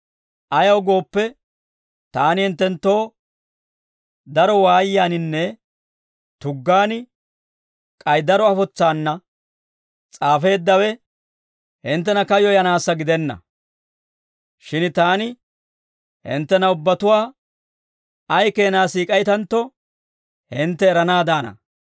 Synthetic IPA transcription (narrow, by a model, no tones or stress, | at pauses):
ʔɐjɐwɡo̞ːpːɛ | t̪aːnɪhɪnt̪ːɛnt̪ːo̞ː | d̪ɐɾɔwaːjjaːnɪnːɛ | t̪ʊɡːaːnɪ | kʼɐjd̪ɐɾɔɐfɔt͡sːaːnːɐ | t͡sʼaːfe̞ːd̪ːɐwɛ | hɪnt̪̬ːɛnɐkɐjɔjɐnaːsːɐɡɪd̪ɛnːɐ̰ | ʃɪnt̪aːnɪ | hɪ̰nt̪ːɛnɐʊbːɐt̪ʊwaː | ɐjke̞ːnaːsiːkʼɐjt̪ɐnt̪ːɔ | hɪnt̪ːɛːɾɐnaːd̪aːnɐ̰